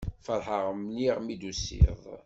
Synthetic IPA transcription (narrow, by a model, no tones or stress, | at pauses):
fəɾˤħəʁəmniʁmid̪usḭðˤ